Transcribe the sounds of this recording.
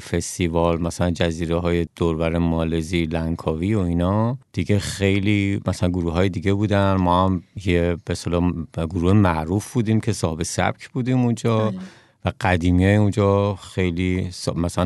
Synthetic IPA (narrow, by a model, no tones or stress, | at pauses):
fe̞st̪ivɒlmæsælænd͡ʒæziːɾeɦɒːjed̪̥oɾvæɾemɒːlezilæŋkʰɒːviːoinɒd̪̥iɟexe̞jliːmæsælænɡoɾuːɦɒːjed̪iɡebuːd̪ænmɒːhæmjeb̥eselɒːɡoɾuːhemæʔɾuːfbuːd̪iːmcʰe̞sɒːhebe̞sæ̰b̥cʰb̥uːd̪iːmund͡ʒɒː | væɡæd̪iːmijɒːjund͡ʒɒxe̞jlismæsælæ